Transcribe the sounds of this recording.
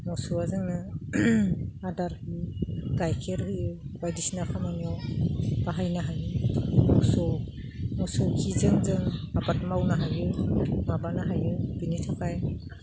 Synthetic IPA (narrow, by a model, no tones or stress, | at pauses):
mɔsuazɯŋnɯ | adaɾkiɡajkʰeɾhɯjɯbajdisnakʰamaniɔbaɦajnaɦajɯmɔsɔ | mɔsɔkʰizɯŋzɯŋmabat̚mawnaɦajɯmabanaɦajɯbinitʰakʰaj